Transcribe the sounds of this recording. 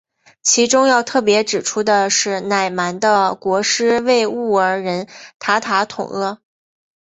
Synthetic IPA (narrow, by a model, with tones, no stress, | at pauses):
t͡ɕʰi˧˥ʈ͡ʂʊ˥ŋjɑ˥˧ʊt̪ʰɤ˥˩pjɛ˧˥ʈ͡ʂɻ̩˨˩ʈ͡ʂʰu˥d̪ə˨ʂɻ̩˥˩na˨˩ɪma˧˥nd̪ə˧kwɔ˧˥ʂɻ̩˥we˥˧ɪu˥˩ə˞˧˥ɻə˧˥nt̪ʰa˧˥t̪ʰa˧˥t̪ʰʊ̰˨˩ŋlə˧